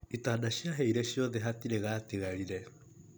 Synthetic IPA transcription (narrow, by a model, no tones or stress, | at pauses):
itaːnaɕiaɦeiɾɛɕioðɛɦatiɾeɣaːteɣaɾiɾɛ